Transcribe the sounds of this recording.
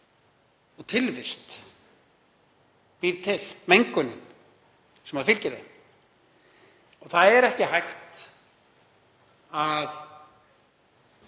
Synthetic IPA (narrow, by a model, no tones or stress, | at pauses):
ɔɣt̪ʰɪlvɪst̪ | piðt̪ʰɪlmejŋkʏnɪn | sɛmhaðfɪlcɪɾðɪm | ɔɣθaðɛɾɛhcɪɦajxt̪ | að